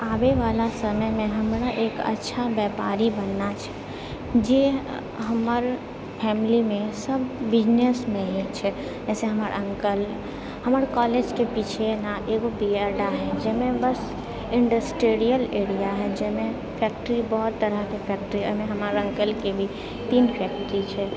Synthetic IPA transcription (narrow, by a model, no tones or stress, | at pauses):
aːbeʋaːlasəməjmẽɦɐmɾaʔeːkɐ̰tːʃʰabɛːpa̰ːɾibənːat͡ʃʰɛ̥ | d͡ʒe | ɦɐmaɾ | pʰɛːmɪlimẽsɐbːɪd͡ʒnesmẽɦɛ̃t͡ʃʰɛ | d͡ʒɛːseɦɐmaːɾ̰ə̃ŋkəl | hɐmaɾkɔːled͡ʒkepit͡ʃʰenaʔeːɡobiaɾɖaɦɛ̃d͡ʒɛɦmẽbəs | ɪ̃ɳɖəsʈeːɾijəleːɽijaɦɛd͡ʒɛɦmẽ | pʰɛːk̚ʈəɾibɔɦʊt̪ːəɾəɦkepʰɛːk̚ʈɾiɛɦmẽɦɐmaːɾə̃ŋkəlkebʱi | t̪iːnpʰɛːk̚ʈɾit͡ʃʰɛ